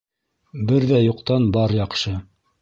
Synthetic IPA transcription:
bɘɾðæjuqt̪ɑnbɑɾjɑqʃɤ

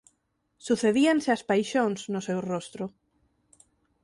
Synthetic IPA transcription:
suθeðianseaspajʃõnsnosewrost̪ɾo

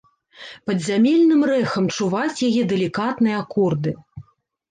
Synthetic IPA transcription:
pɐd̪zʲamʲelʲnɨmrɛxɐmt͡ʂuvat͡sʲjajɛd̪ɛlʲikat̪nɨjɐakɔrd̪ɨ

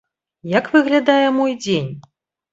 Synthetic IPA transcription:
jakvɨɣlʲad̪ajɛmɔjd͡zʲenʲ

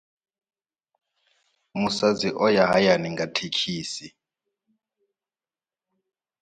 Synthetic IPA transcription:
musaziʔɔjaɦajaniŋɡatʰekʰiːsi

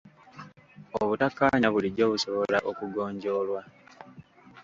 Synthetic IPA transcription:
oβutakːaɲaβuliɟo̞ːβuso̞βolaʔokuɡo̞ːɲɟo̞ːlwa

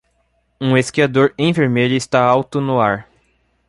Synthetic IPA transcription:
ũeskiad̪oɾẽj̃veɾmeʎʊɪst̪aawt̪ʊnʊaɾ

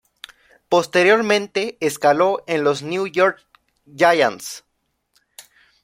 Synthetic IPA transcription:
po̞st̪e̞ɾjo̞ɾmẽnt̪e̞ːskalo̞enlo̞znjujoɾk | d͡ʒaja̰ns

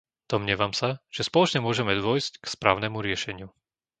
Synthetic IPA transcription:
d̪̥ɔmɲɪɛʋamsaʒ̥ɛspɔlɔt͡ʃɲɛmʊɔʒɛmɛd̪ʊɔjsckspɾa̰ːʊnɛmuɾɪɛʃɛɲɪu

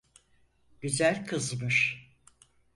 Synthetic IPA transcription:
ɟyzælʲkʰɯzmɯʃ

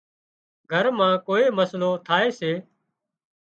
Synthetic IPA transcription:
ɡʱəɾmãːkoːeːməslõːt̪ʰaːeːseː

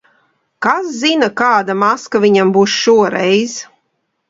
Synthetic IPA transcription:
kasːinakaːd̪amaskavʲiɲambuːsʃuɔɾɛjz̥

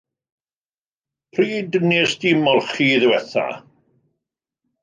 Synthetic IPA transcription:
pʰriːdnesd̥ɪmɔlˠχiːðɪwɛθa̰

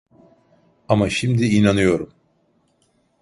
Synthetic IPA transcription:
amaʃimd̪iinanɯjo̞ɾum

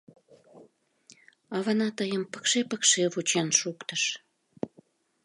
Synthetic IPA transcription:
ɑβɑnɑt̪əjəmpə̥kʃepəkʃeβut͡ɕenʃukt̪əʃ

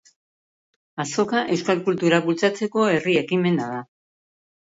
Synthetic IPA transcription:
aso̞kaʔe̞wskalkult̪uɾaβult͡sat͡se̞ko̞e̞rie̞kime̞naða

